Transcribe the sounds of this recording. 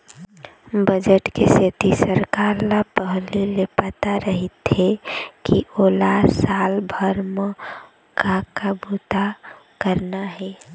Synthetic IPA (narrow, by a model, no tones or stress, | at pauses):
bəd͡ʒəʈkeset̪isəɾkaɾlapəɦlilepat̪aɾəɦit̪ɦɛkiʔolasalbʱəɾm | kakabut̪a | kəɾnaɦɛ